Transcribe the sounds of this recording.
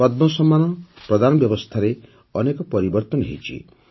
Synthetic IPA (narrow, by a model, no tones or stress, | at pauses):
ɔd̪̚mɔsɔmːanɔpɾɔd̪ʱanɔbjɔbɔst̪ʰaɾe | ɔnekɔpɔɾibɔɾt̪ɔnɔɦḛt͡ʃʰḭ